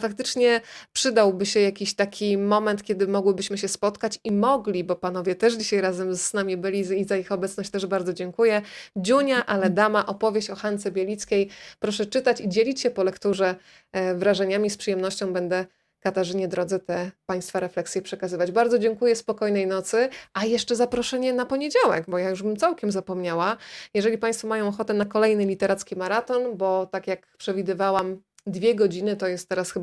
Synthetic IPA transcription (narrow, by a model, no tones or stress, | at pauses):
fak̚t̪ɘt͡ʂɲɛpʂɘd̪awbɘɕɛjakʲiɕt̪akʲimɔmɛnt̪kʲjɛd̪ɘmɔɡwɘbɘɕmɘɕɛspɔt̪kat͡ɕimɔɡlʲibɔpan̪ɔvʲjɛt̪ɛʂd͡ʑiɕajɾazɛmznamʲibɘlʲiizaixɔbɛt̪snɔɕt͡ɕt̪ɛʐbaɾdzɔd͡ʑɛŋkujɛd͡ʑuɲaʔalɛd̪amaʔɔpɔvʲjeɕt͡ɕɔxant̪sɛbʲjelʲit̪skʲejpɾɔʂɛt͡ʂɘt̪at͡ɕid͡ʑelʲit͡ɕɕɛpɔlɛkt̪uʐɛ | vɾaʐɛɲamʲispʂɘjɛmnɔɕt͡ɕɔ̃w̃bɛnd̪ɛ | kat̪aʐɘɲɛd̪ɾɔd̪zɛt̪ɛpaj̃st̪faɾɛflɛksʲjɛpʂɛkazɘvad͡ʑbaɾd̪zɔd͡ʑɛŋkujɛspɔkɔjnɛjnɔt̪sɘʔajɛʂt͡ʂɛzapɾɔʂɛɲɛnapɔɲed͡ʑawɛ̰ɡbɔjajuʐbɘmtsawkʲɛmzapɔmɲawajɛʐɛlʲipaj̃st̪fɔmajɔ̃w̃ɔxɔt̪ɛnakɔlɛjnɘlʲit̪ɛɾʔat̪skʲimaɾat̪ɔnbɔt̪akʲjakpʂɛvʲid̪ɘvawam | d̪vʲjɛɡɔd͡ʑinɘt̪ɔjɛst̪ːɛɾasxɘ